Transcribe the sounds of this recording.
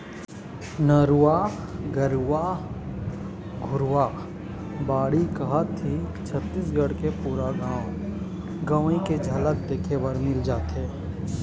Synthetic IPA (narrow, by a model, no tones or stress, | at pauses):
nəɾwaɡəɾwa | ɡʱʊɾwa | baːɽikɐɦat̪ʰit͡ʃʰət̪ːisɡəɽkepuːɾaɡãːw | ɡɐʋĩked͡ʒʱɐlək̚d̪eːkʰeʋəɾmɪld͡ʒaːt̪eː